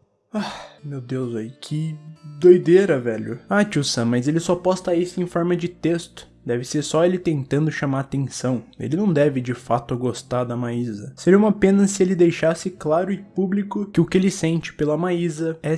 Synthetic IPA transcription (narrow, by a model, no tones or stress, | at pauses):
amewd̪ewzaikʰɪd̪ojd̪eɾɐvɛʎʊat͡ʃuwsɐ̃mɐjzelɪsɔpɔst̪ɐisʊẽj̃fɔɾmɐd͡ʒɪt̪est̪ʊ̥ | d̪ɛvɪseɾsɔelɪt̪ẽnt̪ɐ̃nd̪ʊʃamaɾat̪ẽsɐ̃w̃ḛlɪnɐ̃w̃d̪ɛvɪd͡ʒɪfat̪ʊɡost̪aɾd̪ɐmaizɐseɾiɐũmɐpẽnɐsɪelɪd̪ejʃasɪklaɾʊɪpublikʊkɪʊkɪelɪsẽnt͡ʃɪ̥pelɐmaizɐɛ